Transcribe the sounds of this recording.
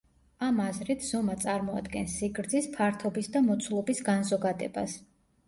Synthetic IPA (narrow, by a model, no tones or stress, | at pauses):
amazɾit̪ʰz̥ɔmat̪sʼaɾmɔa̰d̪ɡɛnsiɡɾd̪zispʰaɾt̪ʰɔbisd̪amɔt̪sʰulˠɔbisɡanzɔɡad̪ɛba̰s